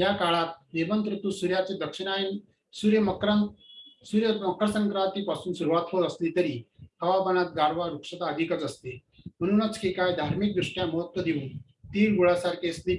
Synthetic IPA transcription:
jakaɭat̪̚neʋənt̪ɾət̪usuɾjat͡sed̪ɐkʂinan | suɾjəməkɾasuɾjəmɐkɾəsəŋkɾãnt̪ipasuːnsuɾuʋat̪ɦoəslit̪əɾihɐʋabənat̪̚ɡaɾʋaɾukʂət̪aəd̪ikət͡səst̪e | m̤əɽ̃ũːnət͡skikajd̪ʱaɾmik̚d̪ɾuʂʈjaməɦət̪ʋəd̪iũːn | t̪iːɾɡuɭasaɾkesli

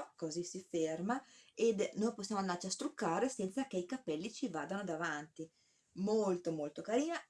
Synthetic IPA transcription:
kozisifermaed̪nojposːjaːmoand̪art͡ʃiast̪ɾukːaːɾesɛnt̪sakeikapɛlːit͡ʃivaːd̪anod̪avant̪i | molt̪omolt̪okaɾiːna

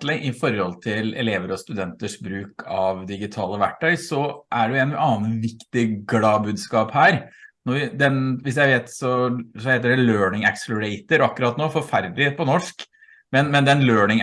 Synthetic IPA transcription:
lɪŋʔɪfɔɾːɔlt̪ʰɪlɛ̰leːʋəɾɔst̪ʉd̪ɛnt̪əʂbɾʉːkʰɑʋd̪ɪɡɪt̪ʰɑːləʋæ̰ʈʰːœʏsɔʔæɖɛɛnʔɑːnʋɪkt̪ɪɡlɑːbʉːd̪skɑːphæːɾnɔʋɪd̪ɛnʋɪs̬jæɪʋeːt̪sɔsɔheːt̪̬əɖɛløːɳɪŋɛksələɾɛɪt̪əɾɑkːʉɾɑːt̪noːfɔɾfæɾd̪leːpɔnɔʂk | mɛnmɛnd̪ɛnløːɳɪŋ

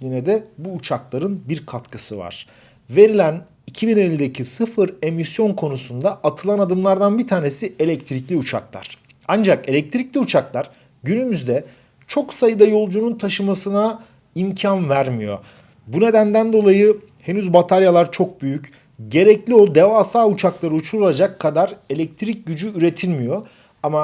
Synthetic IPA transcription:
lʲinɛd̪ɛbuːt͡ʃʰaklˠaɾɯnbiɾkʰat̪kʰɯsɯva̰ɾ̥ | ve̞ɾilʲæn | icʰibine̞lʲːid̪e̞cʰisɯfɯɾe̞misjo̞nkʰo̞nusund̪aat̪ʰɯlˠanad̪ɯmlˠaɾd̪anbit̪ʰaːne̞sie̞lʲɛct̪ʰɾiclʲiut͡ʃʰa̰klˠa̰ɾ̥ | and͡ʒake̞lʲɛc̚t̪ʰɾiclʲiut͡ʃʰaklˠaɾ̥ | ɟynymyzd̪ɛ | t͡ʃʰo̞ksajɯd̪ajo̞lˠd͡ʒununt̪ʰaʃɯmasɯna | imcʰanvæɾmijo̰ | bune̞d̪ænd̪ænd̪o̞lˠajɯ | he̞nyzbat̪ʰaɾjalˠaɾt͡ʃʰo̞k̚byjyc | ɟe̞ɾɛclʲio̞d̪e̞vaːsaːut͡ʃʰaklˠaɾɯut͡ʃʰuɾulˠad͡ʒakʰːad̪aɾe̞lʲɛc̚t̪ʰɾic̚ɟyd͡ʒyɾe̞t̪ʰilʲmijo̞ | ama

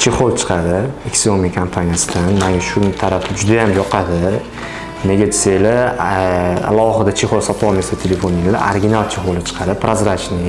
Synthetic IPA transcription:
t͡ʃʰe̞χolˠt͡ʃʰɨ̥qʰɑd̪ɪekʲsomiakʰampʰanijasɪd̪anmaŋʲaʃʊɾmt̪ʰaɾafɪd͡ʒʊd̪ajamjɒqʰɑd̪ɪ | ne̞ɡʲad̪sajla | a̰lˠɒɦɨd̪at͡ʃʰe̞χolˠsat̪ʰɒlˠmesat̪ʰele̞fonːɪla̰a̰ɾɡʲinalˠt͡ʃʰeχolɪt͡ʃʰɨ̥qʰɑd̪ɪpʰɾazɾat͡ʃnɪ

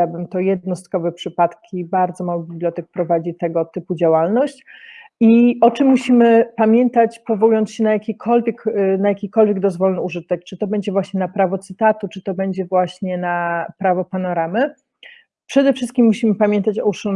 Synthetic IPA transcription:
abɘmt̪ɔjɛd̪̚nɔst̪kɔvɛpʂɘpat̪kʲʰibaɾd̪zɔmawɘbʲiblʲjɔt̪ɛk̚pɾɔvad͡ʑit̪ɛɡɔt̪ɘpud͡ʑawalnɔɕt͡ɕiʔɔt͡ʂɘmːuɕimɘpamʲjɛnt̪at͡ɕpɔvɔwujɔnt̪sɕɛnajakʲikʰɔlvʲjɛknajakʲikɔlvʲjɛɡd̪ɔzvɔlnɘuʐɘt̪ɛk̚t͡ʂɘt̪ɔbɛɲd͡ʑɛvwaɕɲɛnapɾavɔt̪sɘt̪at̪ut͡ʂɘt̪ɔbɛɲd͡ʑɛvwaɕɲɛnapɾavɔpanɔɾamɘ | pʂɛd̪ɛfʂɘst̪̚kʲimːuɕimɘpamʲjɛnt̪at͡ɕɔuʂ

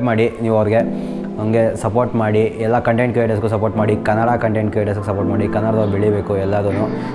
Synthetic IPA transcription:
pmaːɽiniːʋuɐʋɐɾiɡe̞ | ɐŋɡe̞sɐpoːɾʈmaːɽiɛlːɐkɐɳʈejɳʈkueʈɐsɡusɐpoːɾʈmaːɽikɐnːɐɽakɐɳʈejɳʈkueʈɐsɡusɐpoːʈmaːɽikɐnːɐɽɐd̪ɐubeɭibeːkuɛlːad̪unːu

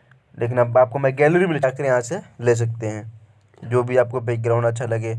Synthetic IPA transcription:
lʔeːk̬ɪnɐbaːp̚komɛ̃ɡɛːlɾibileʈaːkəɾjɐɦãseleːs̬ɐk̚t̪eɦɛ̃ː | d͡ʒoːbʱiaːp̚kobʱeːk̚ɡɾaːʊ̃ɳɖɐtːʃʰalɐɡeː

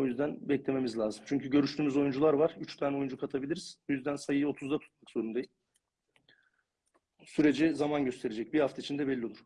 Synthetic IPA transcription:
o̞jyzd̪ænbɛclʲe̞me̞mizlʲaːzɯmt͡ʃʰyɲcʰyɟø̞ɾyʃt̪ʰyːmyzo̞jund͡ʒulˠaɾvaɾ̥yt͡ʃt̪ʰaːnɛo̞jund͡ʒukʰat̪ʰabilʲiɾiz̥ojyzd̪ænsajɯo̞t̪ʰuzd̪at̪ʰu̥t̪̚makz̥o̞ɾumd̪ajilʲ | syɾe̞d͡ʒizamanɟø̞st̪ʰe̞ɾed͡ʒɛc̚bihaft̪ʰait͡ʃʰind̪ɛbɛlʲːio̞lˠuɾ̥

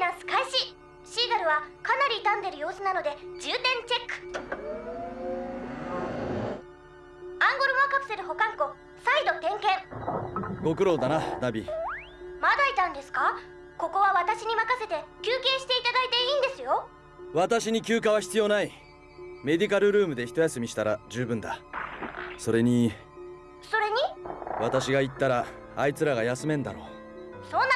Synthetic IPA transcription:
nasɨ̥kaiɕi | ɕiːɡaɾɯ̟βakanaɾʲit̪ãnd̪e̞ɾɯ̟jo̞ːsɨnano̞d̪e̞d͡ʑɨːt̪ẽ̞ɲ̟t͡ɕe̞kːɯ̟̥ | ãŋɡo̞ɾɯ̟makapɯ̟̥se̞ɾɯ̟ho̞kãŋko̞ | said̪o̞t̪ẽ̞ŋkẽ̞ɴ | ɡo̞kɯ̟ɾo̞ːd̪anad̪abʲḭ | mad̪ait̪ãnd̪e̞sɨ̥ka | ko̞ko̞βaβat̪aɕiɲ̟imakase̞t̪e̞kʲɨːke̞ːɕi̥t̪e̞it̪ad̪ait̪e̞iːnd̪e̞sɨjo̞ | βat̪aɕiɲ̟ikʲɨːkaβ̞açi̥t͡sɨjo̞ːnai | me̞d̪ʲik̬aɾɯ̟ɾɯ̟ːmɯ̟d̪e̞çi̥t̪o̞jasɨmʲiɕi̥t̪aɾad͡ʑɨːbɯ̟̃nd̪a | so̞ɾe̞ɲ̟i | so̞ɾe̞ɲ̟iβat̪aɕiɡait̪ːaɾa | ait͡sɨɾaɡajasɨmẽ̞nd̪a̰no̞̰ | so̞ːn

